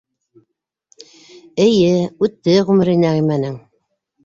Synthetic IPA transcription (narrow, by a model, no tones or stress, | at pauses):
ɘ̆jɘʉt̪ːɘʁʉmɘ̆ɾinæʁimænɘŋ